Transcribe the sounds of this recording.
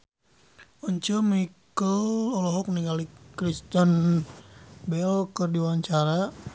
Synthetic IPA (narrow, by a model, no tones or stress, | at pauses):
ɔɲt͡ʃəmikəlɔlɔɦɔk̚niŋɡalikɾist̪ən | bɛlkərdiwaɲt͡ʃaɾa